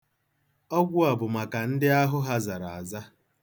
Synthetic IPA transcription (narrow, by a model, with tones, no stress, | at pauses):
ɔ˦ɡʷʊ˦a˨bʊ˨ma˨ka˨n̩˦dɪ˦a˦ɦʊ˦ɦa˦za˨ɾa˨a˨za˦